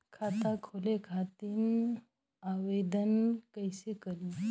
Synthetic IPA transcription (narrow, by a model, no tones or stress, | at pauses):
kʰat̪akʰolekʰat̪iːn | aʋed̪ənkajsekəli